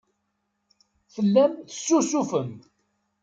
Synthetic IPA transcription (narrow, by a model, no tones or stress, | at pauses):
θəlːæmθə̥sːusufəm